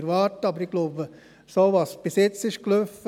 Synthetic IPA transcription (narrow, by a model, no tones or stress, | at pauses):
ɾʋɑːɾtəɑbəɾiɡ̥loːbə | soʋɑːsb̥ɪsjɪt͡sɪʃkløfə